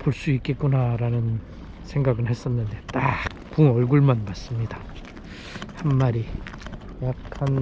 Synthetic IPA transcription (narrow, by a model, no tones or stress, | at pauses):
poɭs͈uik͈et̚k͈unaɾanɯn | sʰeŋɡaɡɯɭhe̞s͈ʌnːɯnde̞t͈ak̚puŋʌɭɡuɭmanmas͈ɯmɲida | hanmaɾi | jak̚kʰan